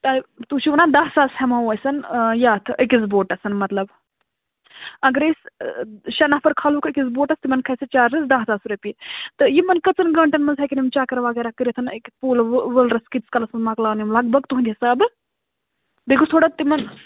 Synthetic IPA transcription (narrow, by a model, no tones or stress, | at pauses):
t̪ɐt̪ut͡ʃʰiʋunaːd̪ɐɦsaːshɐmaɐjsɐnjaːt̪ʰɨʔəkizboːʈɐsɐnmɐt̪lɐb | ɐɡɾes | ʃɐnɐfɐɾkʰaːluːkʰəkʲizboːʈɐst̪imɐnkʰɐsɐt͡ʃaːɾɾɐsd̪ɐɦt͡saːsɾɐpit̪ɨjimɐnkɐt͡sɐnɡɐɳʈɐnmɐnzʰɐkʲinimt͡ʃaːkɐɾʋɐɡɐɾakɨɾʲit̪ʰɨnekpuːlʋəlɾɐskit͡skɐlɐsɐnmɐklaːnimlɐɡ̚bɐɡt̪uɦnd̪ʲiɐsab | d̪ekʰust̪ʰoːɽɐt̪ːimɐn